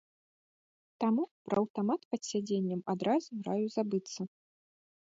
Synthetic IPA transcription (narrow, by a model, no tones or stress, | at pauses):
t̪amupɾɐɐwt̪amat̪pɐt̪sʲad͡zʲenʲːɐmad̪ɾazuɾajuzabɨt̪sːɐ